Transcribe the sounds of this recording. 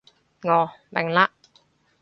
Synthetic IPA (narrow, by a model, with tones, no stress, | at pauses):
ŋɔ˧bɛ˨˩ŋla˦˥ʔ